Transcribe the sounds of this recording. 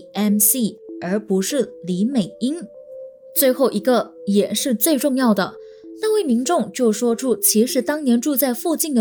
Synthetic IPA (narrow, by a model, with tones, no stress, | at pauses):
ɛ˥nsi˥˩ə˞˧˥pu˧˥ʂɻ̩˥˩li˧˥me˨˩ɪi˥n | t͡swe˥˧ɪxo˥˩ʊʔi˧˥ɡə˧jɛ˨˩ʂɻ̩˥˧t͡swe˥˧ɪʈ͡ʂʊ˥˧ŋjɑ˥˩ʊd̪ə˩ | na˥˧we˥˩ɪmi˧˥nʈ͡ʂʊ˥˧ŋt͡ɕjo˥˩ʊʂwɔ˥ʈ͡ʂʰu˥t͡ɕʰi˧˥ʂɻ̩˧˥t̪ɑ˥ŋnjɛ˧˥nʈ͡ʂu˥˧t͡sa˥˧ɪfu˥˧t͡ɕi˥˩nd̪ə˩